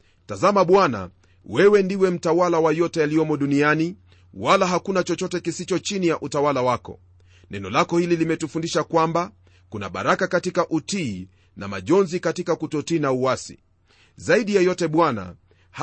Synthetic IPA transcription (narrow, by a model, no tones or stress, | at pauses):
tazamaɓwana̰ | wɛwɛndiwɛm̩tawalawajɔtɛaliɔmɔɗuniani | walaɦakunat͡ʃɔt͡ʃɔtɛkisit͡ʃɔt͡ʃinijaʔutawalawakɔ̰ | nɛnɔlakɔhililimɛtufundiʃakwamba | kuna̰ɓa̰ɾakakatikaʔutiː | na̰ma̰ʄɔnzikatikakutɔtiːnauwasḭ | zaiɗijajɔtɛɓwana̰ | h